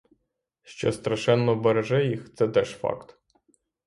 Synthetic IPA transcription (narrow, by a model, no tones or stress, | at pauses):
ʃt͡ʃɔ̰st̪ɾɐʃɛnːɔbeɾeʒɛjixt̪sɛt̪ɛʒfɑ̰kt̪